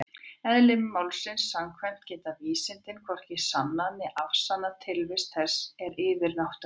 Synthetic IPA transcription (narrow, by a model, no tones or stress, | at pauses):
ɛðlɪmmawlsɪnsːaŋkʰvɛm̥t̪cɛːt̪aviːsɪnt̪ɪnkʰvɔr̥cɪsanːanɪʔafsanːat̪ʰɪlvɪst̪θɛsːɛɾɪːvɪɾnawht̪ʏ